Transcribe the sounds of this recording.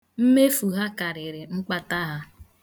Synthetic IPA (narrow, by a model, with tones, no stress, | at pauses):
m̩˦me˦fu˨ɦa˦ka˨ɾɪ˨ɾɪ˨ŋ͡m̩˦k͡pa˦ta˦ɦa˦